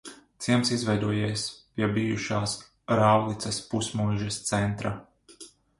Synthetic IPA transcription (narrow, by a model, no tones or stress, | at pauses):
t̪siɛmsizvɛjd̪uɔjejspjɛbijuʃaːs | ɾaːwlˠit̪sɐspusmujʒɛst̪sɛnt̪ɾa